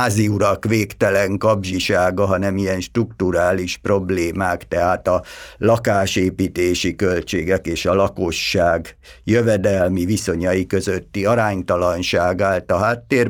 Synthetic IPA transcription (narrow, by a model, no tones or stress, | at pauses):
aːziuɾɒkʋeːkt̪ɛlɛŋkɒbʒiʃaːɡɒɦɒnɛmijɛnʃt̪rukt̪uɾaːliʃpro̞bleːmaːkt̪ɛɦaːt̪ɒlɒkaːʃeːpiːt̪eːʃikølt͡ʃeːɡɛkeːʃɒlɒko̞ʃːaːɡ | jøvɛd̪ɛlmiviso̞ɲɒjikø̞zøt̪ːiɒɾaːɲt̪ɒlɒnʃaːɡaːlt̪ɒɦaːt̪ːeːr